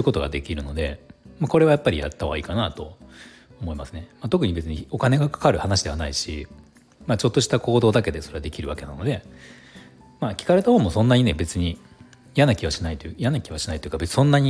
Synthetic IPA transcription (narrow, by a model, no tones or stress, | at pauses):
ɯ̟ko̞t̪oɡa̰d̪e̞kʲiɾɯ̟no̞d̪e̞mako̞ɾe̞βajapːaɾʲija̰t̪ːaaḭːkanat̪o̞̰ | omo̞imasɨne̞mat̪o̞k̬ɯ̟ɲ̟ibe̞t͡sɨɲ̟io̞kane̞ɡakḁkaɾɯ̟hanaɕid̪e̞anaiɕḭ | mat͡ɕo̞t̪ːo̞ɕi̥t̪ako̞ːd̪o̞ːd̪ak̬e̞d̪e̞so̞ɾe̞ad̪e̞kʲiɾɯ̟βake̞na̰no̞d̪e̞ | makʲi̥kaɾe̞t̪aho̞ːmo̞sõ̞nːaɲ̟ine̞be̞t͡sɨɲ̟i | ijanakʲiβaɕinait̪ojanakʲiβaɕinait̪o̞jɯ̟kabe̞t͡sɨ̥sõ̞nːaɲ̟i